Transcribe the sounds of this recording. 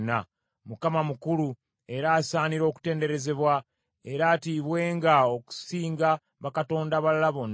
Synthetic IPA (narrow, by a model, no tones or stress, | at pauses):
nːa | mukamamukulu | eɾaːsaːniɾo̞ːku̥te̞ːnde̞ɾe̞ze̞βwa | e̞ɾaːtiβwe̞ːŋɡaoku̥siːŋɡa | βakato̞ːndaβallaβonː